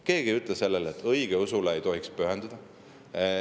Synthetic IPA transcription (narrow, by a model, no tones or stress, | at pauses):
ke̞ːɡ̥iyt̪lese̞lːelet̪ʰːɤjɡ̥eusuleejt̪o̞ɦikspyɦɛnd̪ud̪̥ɑ